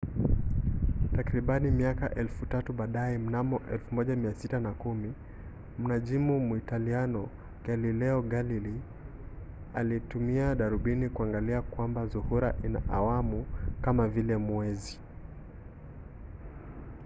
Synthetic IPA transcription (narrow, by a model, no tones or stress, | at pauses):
takɾiɓanimiaka̰ʔɛlfutatuɓaːɗajɛm̩namɔʔɛlfumɔʄamiasitanakumi | m̩naʄimumuitalianɔ | ɡalilɛɔɡalili | alitumiaɗaɾuɓinikuaŋɡaliakwambazuhuɾaʔina̰ʔawamukamavilɛmwɛzi